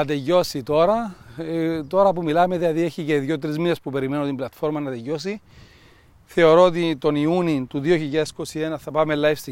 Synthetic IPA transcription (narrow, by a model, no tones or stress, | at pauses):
ɐt̪eʝo̞sit̪o̞ɾɐ | t̪o̞ɾɐp̬umilɐme̞ðilɐðieçice̞ðjo̞t̪̬ɾizminespupe̞ɾime̞not̪imblɐt̪fo̞ɾmɐnɐt̪eʝo̞s̬i | θe̞o̞ɾoot̪̬it̪o̞niunint̪uðio̞çiʎːɐðesko̞sie̞nɐθɐpɐme̞lːɐjfst̪i